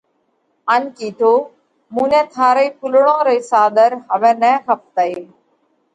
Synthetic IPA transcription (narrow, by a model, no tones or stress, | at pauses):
ənkiːt̪ʰoː | mũːnɛ̃ːt̪ʰaːɾəiːpʰʊlɽõːɾəiːsaːd̪əɾɦəʋɛ̃ːnɛ̃ːxəp̚t̪əɦeː